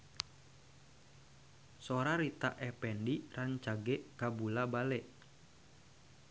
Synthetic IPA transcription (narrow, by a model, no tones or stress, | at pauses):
soɾaɾit̪a̰ʔɛpɛndiraɲt͡ʃaɡɛʔkabulabalɛʔ